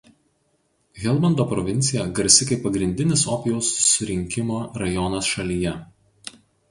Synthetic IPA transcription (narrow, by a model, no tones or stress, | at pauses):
ɣʲɛlˠbɐnd̪oːpɾɔʋʲɪnʲt̪sʲɪjɛɡɐɾʲsʲɪkɐɪpːɐɡɾʲɪnʲd̪ʲɪnʲɪsɔpʲɪjɛʊsʊ̥sʲʊɾʲɪŋʲkʲɪmoːɾɐjɔnɐsʃɐlʲiːjɛ